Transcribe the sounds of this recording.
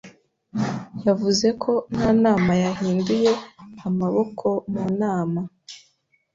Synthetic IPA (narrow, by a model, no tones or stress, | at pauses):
javuze̞kʰo̞n̥haːnaːmajaɦiːnduje̞amaβo̞kʰo̞muːnaːma